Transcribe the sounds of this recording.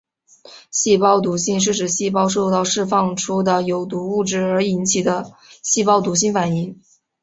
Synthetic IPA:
ɕi˥˧pɑ˥˩ʊt̪u˧˥ɕi˥˧ŋʂ̬ɻ̩˥˩ʈ͡ʂɻ̩˨˩ɕi˥˩pɑ˥˧ʊʂ̬o˥˧t̪ɑ˥˧ʊʂɻ̩˥˧fɑ˥˧ŋʈ͡ʂʰu˥d̪ə˨jo˨˩ʊt̪u˧˥u˥˩ʈ͡ʂɻ̩˥˩ə˞˧˥i˧˥nt͡ɕʰi˨˩d̪ə˦ɕi˥˧pɑ˥ʊt̪u˧˥ɕi˥˩ŋfa˨˩ni˧˥ŋ

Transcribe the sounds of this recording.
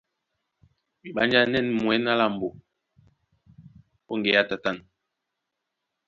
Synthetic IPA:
mi˨ɓa˦nd͡ʒa˦nɛ˦˨nmwɛ˨˦na˦la˦˨m̩˨bo˨ | ɓo˦ŋɡe˨ja˦ta˨ta˦˨n

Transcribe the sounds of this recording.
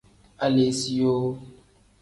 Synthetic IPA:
a˦le˨˦si˦jo˦

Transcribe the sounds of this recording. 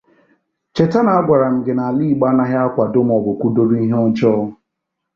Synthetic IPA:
t͡ʃe˨ta˦na˨a˦ɡʷa˨ɾa˨m̩˨ɡɪ˨na˨a˨li˦i˨ɡ͡ba˦na˦ɦa˦kʷa˨do˦m˦ɔ˨bʊ˨kʷu˦do˦ɾu˦i˦ɦɔ˦n˦t͡ʃɔː˦

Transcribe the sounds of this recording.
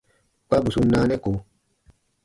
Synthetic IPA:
k͡pa˦bu˨su˦naː˦nɛ˦ko˨

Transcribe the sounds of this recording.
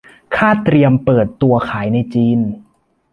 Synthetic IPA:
kʰaː˥˩t̪ɾi˧əmpɤː˨˩t̪ːu˧ɐkʰaː˩˦jna˧jt͡ɕiː˧n

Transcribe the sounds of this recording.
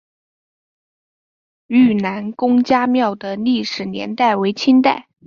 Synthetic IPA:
y˥˩na˧˥nkʊ˥ŋt͡ɕja˥mjɑ˥˩ʊd̪ə˩li˥˩ʂɻ̩˨˩njɛ̰˧˥nt̪a˥˩ɪwe˧˥ɪt͡ɕʰi˥nt̪̬a̰˥˩ɪ

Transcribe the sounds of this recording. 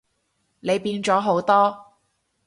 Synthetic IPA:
ne˨˧jpiː˧nt͡sɔː˨˥ɦo˨˥wt̪ɔː˥

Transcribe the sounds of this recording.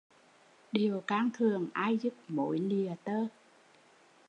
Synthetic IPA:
ɗi˨˩əwkaː˧ŋt̪ʰɨ˨˩əŋʔaː˧jzu˦˥p̚mo̰˧˨˦jli˨˩ət̪əː˧

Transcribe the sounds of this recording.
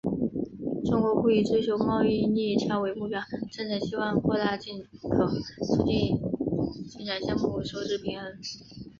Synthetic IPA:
ʈ͡ʂʊ˥ŋkwɔ˧˥ku˥˩y˨˩t͡swe˥ɪt͡ɕʰjo˥ʊmɑ˥˧ʊi˥˧ni˥˩˥t͡ɕʰjɑ˥ʊwe˧˥ɪmu˥˩pjɑ˥˩ʊʈ͡ʂə˥˩nʈ͡ʂ̩ʰ˨˩ɕi˥wɑ˥˧ŋkwɔ˥˧t̪a˥˧t͡ɕi˥˩nkʰɤ˨˩t͡sʰu˨˩t͡ɕi˥˩n | t͡ɕi˥˩nʈ͡ʂʰa˨˩nɕjɑ˥ŋmu˥˩ʂo˥˧ʊʈ͡ʂɻ̩˥˩pʰi˧˥ŋə˧˥n

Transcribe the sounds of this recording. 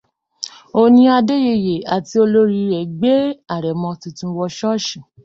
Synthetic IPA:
o˧nĩ˧˦a˧de˦je˧je˨a˨ti˧o˧lo˦ɾi˧˦ɾɛ˨ɡ͡be˦a˦˨ɾɛ˨mɔ̃˧tũ˧tũ˧wɔ˧ʃɔ˦ʃĩ˨

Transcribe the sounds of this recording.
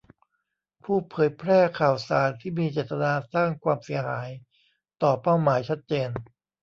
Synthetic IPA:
pʰuː˥˩pʰɤː˩˦jpʰɾɛː˥˩kʰaː˨˩wsaː˩˦nt̪ʰiː˥˩miː˧t͡ɕeː˨˩t̪ːa˧naː˧saː˥˩ŋkʰwaː˧msi˩˦ɐɦaː˩˦j | t̪ɔː˨˩pa˥˩wmaː˩˦jt͡ɕʰa˦˥t̪̚t͡ɕeː˧n

